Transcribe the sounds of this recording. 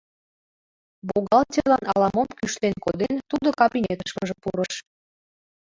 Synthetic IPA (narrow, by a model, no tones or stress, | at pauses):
boɣɑlt͡ɕʲəlɑnɑlɑmomkyʃlenkod̪ent̪ud̪okɑpinet̪əʃməʒepuɾəʃ